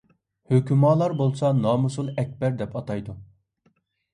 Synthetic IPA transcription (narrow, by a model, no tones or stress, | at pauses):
høkʲymɑːlˠɑɾbolˠsɑnɑːmusulˠɛk̚ʲbɛɾd̪ɛpɑt̪ɑjd̪u